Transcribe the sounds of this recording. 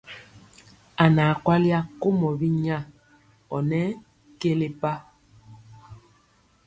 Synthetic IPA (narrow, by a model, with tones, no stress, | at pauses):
a˨na˨kwa˦lja˦ko˦mɔ˨bi˦ɲa˦˨ | ɔ˨nɛ˦ | ke˦le˦pa˦